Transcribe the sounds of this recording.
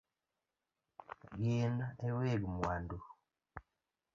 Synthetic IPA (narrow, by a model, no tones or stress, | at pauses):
ɡinaeweɡmwandu